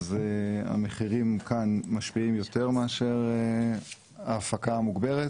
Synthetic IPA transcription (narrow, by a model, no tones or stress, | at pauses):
zea̰meχiʁimkʰanmaʃpiimjo̞t̪e̞ʁmeaʃe̞ʁe | aːfakamuɡbeʁet